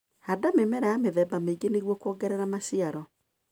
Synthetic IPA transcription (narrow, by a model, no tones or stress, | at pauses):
hadamemɛɾɛjameðɛːbameiɡeneɣwɔkwɔɡɛɾɛɾamasiaɾɔ